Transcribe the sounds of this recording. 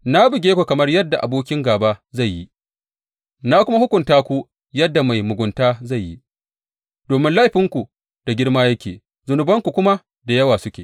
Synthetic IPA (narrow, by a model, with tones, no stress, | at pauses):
na˦bɪ˨ɡʲeː˦kʷu˨kɐ˨mɐ˦rjɐ˦dːa˨ʔa̰˨boː˦kʲɪ˦ŋɡaː˨baː˦za˦˨jːi˦ | na˦kʷʊ˦ma˦hʊ˦kʷʊ˨ntaː˦kʷu˦ | jɐ˦dːa˨ma˨jmʊ˨ɡʷʊ˨ntaː˦za˦˨jːḭ˦ | d̥oː˨mɪ˦nla˦jɸɪ˦ŋkʷu˨ | d̥a˨ɡʲɪ˦rmaː˦jɐ˦kʲḛː˨ | zʊ˨nʊ˨bɐ˦ŋkʷu˨kʷʊ˦ma˦ | da˨jɐ˦waː˨sʊ˦kʲeː˨